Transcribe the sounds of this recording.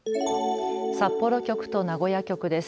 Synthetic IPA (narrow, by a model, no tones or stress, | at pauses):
sapːo̞ɾo̞kʲo̞kɯ̟̥t̪o̞naɡo̞jakʲo̞kɯ̟d̪e̞s